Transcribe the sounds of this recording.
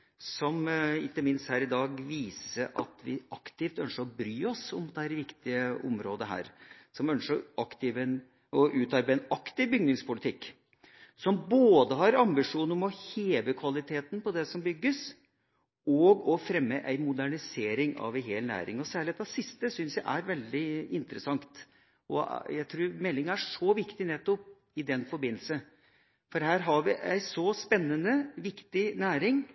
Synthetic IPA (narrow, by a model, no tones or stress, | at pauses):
sɔmɪkːəmɪnst̪hæːɾɪd̪ɑːɡʋiːsəɾʔɑ̰t̪ʰʋɪ̰ɑkt̪ɪft̪œnʂəɾɔbɾyːɔsɔmd̪ɛhæːɾʋɪkt̪ɪəɔ̰mɾoːd̪əɦæ̰ːɾsɔmœnʂəɾʔɑkt̪ɪʋɛn | ɔʔʉːt̪ʰɑːɾbæɛnɑkt̪ɪʋbʏɡnɪŋspʊlɪt̪ʰɪkː | sɔmboːd̪əɦɑɾɑmbɪʂuːnɔmɔheːʋəkʰʋɑlɪt̪ʰeːt̪npɔd̪ɛsɔmbʏɡːəs | ɔɡɔfɾɛmːəʔæɪmʊd̪æɳɪseːɾɪŋɑ̰ʋæɪɦeːlnæ̰ːɾɪ̰ŋɔsæːɭɪeːt̪ɑsɪst̪əsʏnsjæɪʔæɾʋɛld̪ɪɪnt̪ɾəsɑŋt̪ | ɔ̰jæɪt̪ʰɾuːɾmɛlːɪŋæʂɔʋɪkt̪ɪnɛt̪ːɔp̚ | ɪd̪ɛnfɔɾbɪnːl̩sə | fɔɾɦæːɾɦɑɾʋɪʔæ̰ɪsɔspɛnːənəʋɪkt̪ɪnæːɾɪŋ